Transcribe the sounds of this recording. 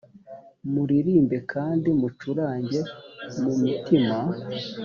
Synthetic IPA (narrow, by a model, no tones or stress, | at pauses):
muɾiɾiːmbe̞kʰaːndimut͡ʃuɾaːɲɟe̞mumitima